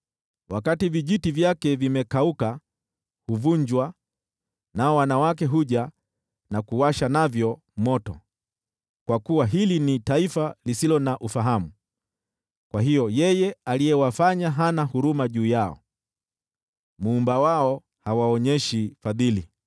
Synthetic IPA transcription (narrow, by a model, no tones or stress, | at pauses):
wakativiʄitivjakɛvimɛkauka | huvuɲd͡ʒwa | naɔwanawak̬ɛɦuʄa | nakuwaʃanavjɔ | mɔtɔ̰ | kwakuwaɦilinitaifalisilɔnaʔufaɦamu | kwaɦijɔjɛjɛalijɛwafaɲaɦanahuɾumaʄuːjaɔ̰ | muːmbawaɔ | hawaɔɲɛʃifaðili